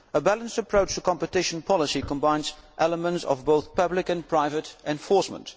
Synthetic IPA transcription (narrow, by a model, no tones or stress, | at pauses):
əbælˠə̃nstəpʰɹ̥oʊt͡ʃtəkʰɑ̃mpɨtɪʃə̃n̩pʰɑlˠəsikə̃mbãɪ̃nzʔɛləmə̃ntsʌ̰vboʊθpʰʌblɪkɨ̃npʰɹ̥aɪvəɾʔɛ̃ɱfɔɹsmə̰̃nt